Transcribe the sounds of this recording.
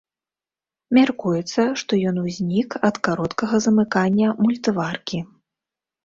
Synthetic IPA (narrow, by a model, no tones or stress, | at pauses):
mʲarkujɛt̪sːɐʂt̪ɔjɔnuzʲnʲikɐt̪kaɾɔt̪kɐɣɐzɐmɨkanʲːɐmulʲt̪varkʲi